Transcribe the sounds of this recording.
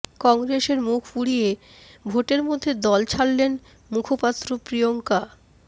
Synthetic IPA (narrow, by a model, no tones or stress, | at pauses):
kɔŋɡɾeʃeɾmukʰfuɽije | bʱoʈeɾmod̪ʱːed̪ɔlt͡ɕʰalːen | mukʰopat̪ːɾopɾijoŋka